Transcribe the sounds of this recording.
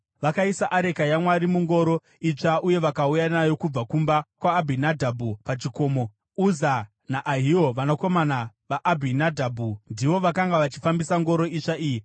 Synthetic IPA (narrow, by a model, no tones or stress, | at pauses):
ʋakaisaʔaɾe̞kajamwaɾimuŋɡo̞ɾo̞ | it͡ʂaʔuje̞ʋakaujanajo̞kub͡vakumbakwaːbʱinadʱabʱupat͡ʃiko̞ːmo̞ | uza | naʔaɦio̞ʋanoko̞manaʋaʔabʱinadʱabʱundiʋo̞ʋakaŋɡaʋat͡ʃi̥fambisaŋɡo̞ɾo̞it͡ʂaiːji